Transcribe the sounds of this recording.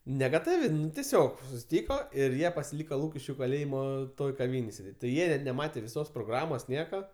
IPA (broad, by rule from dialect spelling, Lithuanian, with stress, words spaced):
nʲɛɡɐˈtɑːʋʲɪ tʲɛˈsʲoːk sʊsʲɪˈtʲiːkoː ɪr ˈjiɛ pɐsʲɪˈlʲiːkoː ˈlˠuːkʲɪʃʲkʲʊ kɐˈlʲeːjɪmoː ˈtoːj kɐˈʋʲiːnʲeːj sʲeːˈdʲeːtʲ tʲɪ ˈjiɛ ɪ nʲɛˈmɑːtʲeː ʋʲɪˈsoːs proːˈɡrɑːmoːs ˈnʲiɛkɐ